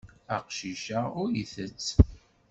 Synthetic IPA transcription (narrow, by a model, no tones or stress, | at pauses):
æqʃiʃaʊɾiθət͡sː